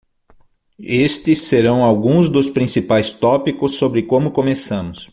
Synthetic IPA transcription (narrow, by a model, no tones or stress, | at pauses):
est̪ɪsːeɾɐ̃w̃awɡũzd̪ʊspɾĩsipajst̪ɔpikʊsːobɾɪkõmʊkomesɐ̃mʊs